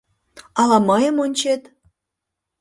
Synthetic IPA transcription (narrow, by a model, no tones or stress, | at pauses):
ɑlɑməjəmonʲt͡ɕet̪